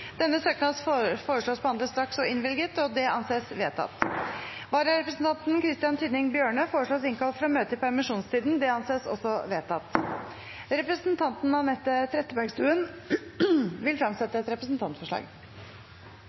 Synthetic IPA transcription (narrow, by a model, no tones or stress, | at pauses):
d̪̥ɛnːəsøːknɑsfoːɾəʂɭoːsbhɑnd̪əst̪ɾɑksɔɪnʋɪlɡət̪ɔd̪ɛʔɑnseːsʋeːt̪ʰɑ̰t̪ | ʋɑːɾɑɾɛpɾəsn̩t̪ʰɑnt̪nkʰɾɪst̪ɪjɑnt̪ʰyːd̪nɪŋbjøːɳəfoːɾəʂɭoːsɪŋkʰɑlt̪fɾɑmøːt̪əɪpʰæɾɛmɪʂuːnst̪ʰiːd̪nd̪ɛɑnseːsɔ̰sːɔʋeːt̪ɑt̪ | ɾɛpɾəsnt̪ʰɑnt̪n̩ɑnɛt̪ːət̪ʰɾɛt̪ːəbæɾɡst̪ʉːən | ʋɪlfɾɑmsɛt̪ːəɛt̪ɾɛpɾəsnt̪ʰɑnt̪fɔʂɭɑ̰ːɡ